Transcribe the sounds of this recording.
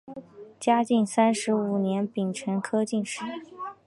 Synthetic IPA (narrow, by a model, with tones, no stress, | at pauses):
t͡ɕja˥t͡ɕi˥˩ŋsa˥nʂɻ̩˧˥u˨˩njɛ˧˥npi˨˩ŋʈ͡ʂʰə˧˥nkʰɤ˥t͡ɕi˥˧nʂɻ̩˥˩